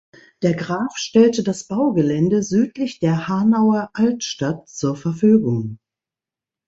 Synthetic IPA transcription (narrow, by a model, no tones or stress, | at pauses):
d̥eːɐɡʁaːfʃtɛltədasb̥aʊɡəlɛndəzyːtlɪçd̥eːɐhaːnaʊɐʔaltʃtatt͡suːɐfɛɐfyːɡʊŋ